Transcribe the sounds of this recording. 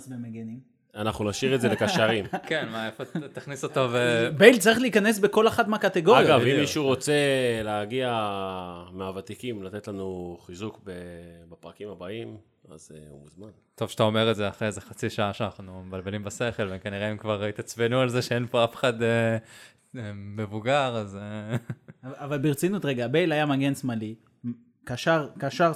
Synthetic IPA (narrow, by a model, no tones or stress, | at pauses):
zmemeɡenim | anaχnunaʃiʁetzelekaʃaʁimkenmaefot̪aχnisot̪ovebejlt͡saʁiχliikane̞s̬beko̞leχatmeakat̪eɡo̞ʁajaɡavimːiʃuʁot͡se̞leaɡia | meavat̪ikimlat̪et̪lanuχizukbebepʁakimabaim | a̰zṵmuzmant̪o̞vʃeḁt̪ao̞me̞ʁezeaχʁezeχat͡siʃaaʃeanaχnumebalbelimbase̞χe̞lvekaniʁeimkvaʁit̪at͡sbenualzeʃeenpo̞afe̥χad̪e | eːe̞vuɡaʁaze | avalbiʁt͡sinut̪ʁeɡabejlajamaɡensmali | kaʃaʁkaʃaʁ